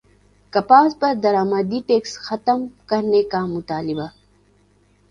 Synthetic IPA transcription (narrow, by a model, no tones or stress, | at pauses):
kɐpaːzpɐɾd̪ɐɾaːmad̪iʈeːksxɐt̪əmkɐɾnekamʊt̪aːliba